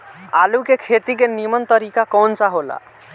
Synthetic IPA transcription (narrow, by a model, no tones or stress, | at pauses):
alukekʰet̪ik̬enimənt̪əɾikakɔːnsaɦola̰